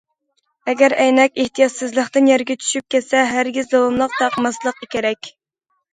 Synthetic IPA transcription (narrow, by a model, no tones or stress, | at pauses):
ɛɡʲæɾɛjnɛkʲeht̪ijɑt̪sɨzlˠəχt̪ɨnjɛɾɡʲɛt͡ʃʰy̥ʃyp̚kʲɛsɛɦæɾɡʲizd̪owumlˠəq̚t̪ɑqmɑslˠəqʰːɑkʲeɾɛkʲ